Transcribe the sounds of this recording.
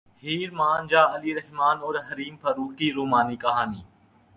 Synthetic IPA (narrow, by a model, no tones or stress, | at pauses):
hiːɾmaːnd͡ʒaːəliːɾəɦmaːnoːɾɦəɾiːmfəɾuːkiːɾoːmaːniːkɐɦaːniː